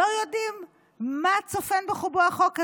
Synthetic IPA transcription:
ojodimː | at͡sofenbeχuboaχoke

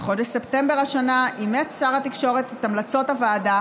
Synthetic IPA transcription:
χo̞deʃsepte̞mbeʁaʃanaʔimetsaʁat̪ikʃo̞ʁet̪t̪amlat͡so̞tavaːda

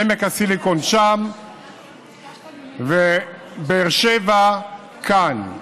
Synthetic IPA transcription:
emekasilikonʃam | ve | beːʁʃeva | kʰan

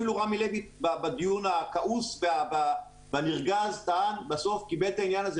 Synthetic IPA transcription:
iluʁamilebitbabad̪ijunakaʔusveaba | vaniʁɡazt̪aanbaso̞fkibe̞lt̪ainjanaze

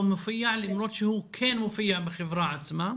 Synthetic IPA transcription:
mʊfajːaʕlimɾˤot̪ʃihuːkʰɛːnmʊfajːaʕbɪxɪvɾˤɑʕat̪ma

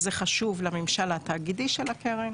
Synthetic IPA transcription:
zeχaʃuvlamimʃalat̪aːɡid̪iʃelakeʁen

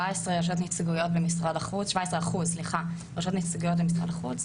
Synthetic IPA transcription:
aesʁeʁoʃ̬ot̪̬nit͡sɡujo̞tbemisʁad̪aχuzʃvaesʁeaχuzsliχa | ʁaʃot̪nit͡siɡujot̚bemisʁa̰d̪aχut͡s

